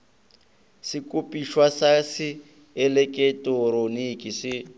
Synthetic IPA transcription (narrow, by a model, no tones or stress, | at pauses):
sɪkʼupʼiʃwasasɪ | ɛlɛkʼɛtʼoɾonikʼisɪ